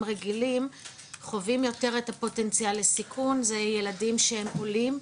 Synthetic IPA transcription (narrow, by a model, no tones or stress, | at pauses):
ʁeɡilim | χo̞vimjo̞te̞ʁethapo̞te̞nt͡sialːesikʰunzeje̞ladimʃehe̞mʔolim